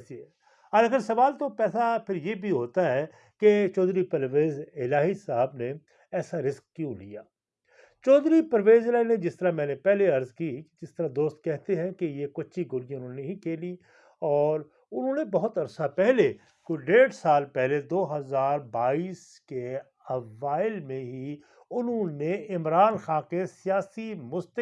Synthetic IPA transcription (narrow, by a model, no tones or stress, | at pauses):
e | ɐɾɐɡəɾsɐʋaːlt̪opɛːsapʰɪɾjebʱiɦoːt̪aɦɛ | ket͡ʃɔːd̪ɾipɐɾʋeːzɪlaːɦisaɦəbne | ɛːsaɾɪskkjũlḭja̰ː | t͡ʃɔːd̪ɾipɐɾʋeːzɪlaːɦined͡ʒɪst̪əɾamɛ̃ːnepɛɦleɐɾzkid͡ʒɪst̪əɾad̪oːst̪̚kɛɦt̪eɦɛ̃kejekʊʃʰiɡʊɾijʊnɦõːneɦikeːli | ɔːɾ | ʊnɦõːnebɐɦʊt̪ɐɾsapɛɦle | kʊɖeːɽsaːlpɛɦled̪oːɦɐzaːɾbaːiːs | ke | ɐʋaːɪlmẽɦi | ʊnɦõneɪmɾaːnxãːkesijaːsimʊst̪ə